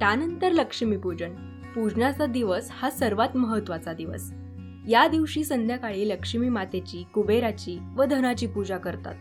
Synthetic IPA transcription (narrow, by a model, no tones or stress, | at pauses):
t̪anənt̪əɾləkʂəmiːpud͡ʑəɳ | pud͡ʑɳat͡sad̪iʋəshasəɾʋat̪məɦət̪ːʋat͡sad̪iʋə̰s | jad̪iʋɕiːsənd̪ʱjakaɭiːləkʂəmiːmat̪et͡ɕiːkubeɾat͡ɕiːʋəd̪ʱənat͡ɕiːpud͡ʑakəɾt̪a̰t̪